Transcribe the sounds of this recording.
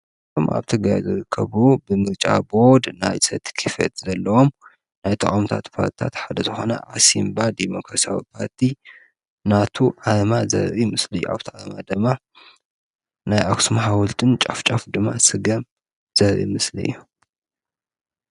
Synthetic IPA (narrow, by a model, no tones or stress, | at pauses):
omʔa̰βt̪ʰɨɡɾajzɨɾɨkʰːɐβubɨmɨɾt͡ʃʼa̰bo̞d̪najsɐt̪ʰkʰɨfɐ̰t̪zɐlːɐwom | najt̪ʰɐχʼomt̪ʰat̪pʰa̰ɾt̪ʰi̥t̪ʰat̪ħad̪ɐzɨxo̞̰nɐ̰ʕasimbad̪emo̞kɾasia̰wḭpʰaɾt̪ʰi | nat̪ʰuʕamazɐ̰ɾʔimɨsliɨjːua̰βt̪ʰiʕamad̪ɨmːa | najʔaksumɦawʊlt̪ʰʼɨnt͡ʃʼaft͡ʃʼafd̪ɨmːasɨɡɐm | z̥ɐɾʔḭmɨslḭɨ̰jːu